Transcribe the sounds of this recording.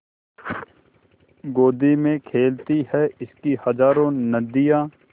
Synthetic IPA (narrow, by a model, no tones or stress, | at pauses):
ɡoːd̪imẽkʰeːlt̪iɦɛɪskihɐzaːɾõnɐd̪ijãː